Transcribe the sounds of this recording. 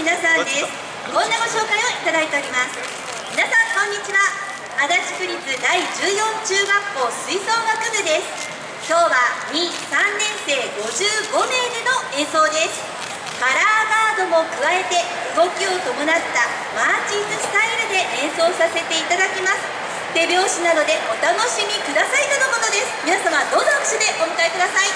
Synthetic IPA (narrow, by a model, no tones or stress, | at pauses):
inasãd̪esɨ̥ | kõ̞nːaɡo̞ɕo̞ːkaioit̪ad̪ait̪e̞oɾʲimasɨ̥ | mʲinasãŋkõ̞ɲ̟ːit͡ɕiβaː | d̪at͡ɕi̥kɯ̟ɾʲit͡sɨd̪aid͡ʑɨːjõ̞ɲt͡ɕɨːɡakːo̞ːsɨiso̞ːɡakɯ̟ɡ̪ɯ̟d̪e̞sɨ̥ | kʲo̞ːβaɲ̟isãnːẽ̞ɰ̃se̞ːɡo̞ʑɨːɡo̞me̞ːneno̞ẽ̞ɰ̃so̞ːd̪e̞sɨ̥ | kaɾaːɡaːd̪o̞mo̞kɯ̟βae̞t̪e̞ | ɯ̟ɡo̞kʲio̞t̪o̞monat̪ːa | maːt͡ɕĩɨst̪aiɾɯ̟d̪e̞ẽ̞ɰ̃so̞ːsase̞t̪e̞it̪ad̪akʲimasɨ̥ | t̪e̞bʲjo̞ːɕinad̪o̞d̪e̞ʔo̞t̪ano̞ɕimʲikɯ̟d̪asait̪onoko̞t̪o̞d̪e̞sɨ̥mʲinasamad̪o̞nõɕod̪e̞ʔomɯ̟kaikɯ̟d̪asai